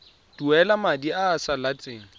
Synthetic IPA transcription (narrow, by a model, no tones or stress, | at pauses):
d̥uɛlamadiaːsalat͡sʼeːŋ̩